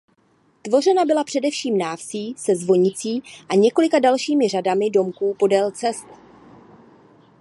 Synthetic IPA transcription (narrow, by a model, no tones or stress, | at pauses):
t̪vo̞rɛnabɪlapr̝̥ɛdɛfʃiːmnaːfsiːsɛzvo̞ɲɪt͡siːʔaɲɛko̞lɪkadalʃiːmɪradamɪdo̞mkuːpo̞dɛlt͡sɛst̪